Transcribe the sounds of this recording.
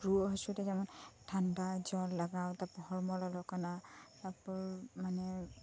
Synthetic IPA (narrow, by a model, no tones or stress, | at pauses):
ɹuɦɔsutɛzamantʰandazɔllaɡawtapɔhɔɹmɔlɔlɔkanatapɔɹmanɛ